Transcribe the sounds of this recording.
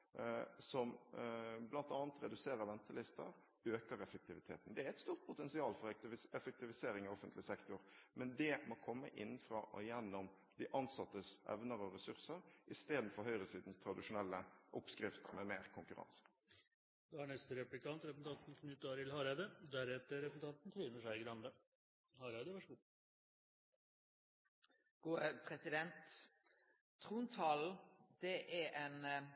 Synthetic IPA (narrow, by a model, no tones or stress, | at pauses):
sɔm | blɑnt̪ɑːnət̪ɾɛd̪ʉseːɾəɾʋɛnt̪əlɪst̪ə̰ɾ | øːkəɾɛfək̚t̪ʰɪʋɪt̪ʰeːt̪ənd̪ɛæɾɛt̪st̪uːɾt̪̚pʰʊt̪ɛnsɪɑːlfɔɾɛfək̚t̪ɪʋɪseːɾɪŋɪɔfənt̪lɪsɛkt̪ʊɾmɛnd̪ɛmɔkʰɔmːəʔɪnːfɾɑ̰ːʔɔjɛnːɔm | d̪ɪʔɑnsɑt̪ːəsʔɛ̰ʋnəɾɔɾɛsʉɾsəɾʔɪst̪eːd̪n̩fɔɾɦœʏɾəsiːd̪n̩st̪ʰɾɑd̪ɪʂʊnɛlːəʔʊpskʁɪft̪mɛmeːɾkʰʊŋkʉʁɑ̰nsə̥ | d̪̥ɛæɳɛst̪əɾɛplɪk̪ɑnt̪ɾɛpsn̩t̪ɑnt̪n̩kʰnʉt̪ːɑɾɪlhɑɾæɪd̪əd̪æɾɛt̪əɾɛpsn̩t̪ʰɑnt̪nt̪ʰɾiːnəʂæɪɡɾɑnd̪ə | hɑːɾæd̪əʋɑʂɡuː | ɡ̥uːəpʰɾɛsɪd̪ɛnt̪ | ɾuːnt̪ʰɑːld̪̥ɛʔæeːn